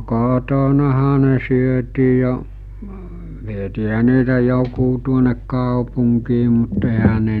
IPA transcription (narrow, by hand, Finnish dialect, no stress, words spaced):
koˑtonɑhɑ ne syøtiː jo ʋietiːɦæ niːtæ jokuː tuonek kɑˑopuŋkiː mut eɦæ ne